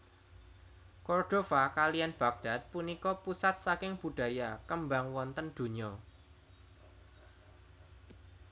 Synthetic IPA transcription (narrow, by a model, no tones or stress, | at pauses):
kɔrd̪̥o̤fakalianb̥a̤k̚d̥a̤t̪̚punikɔpusat̪̚sakɪŋb̥ṳɖ̥ä̤jakəmbaŋwɔnt̪ənd̪̥ṳɲɔ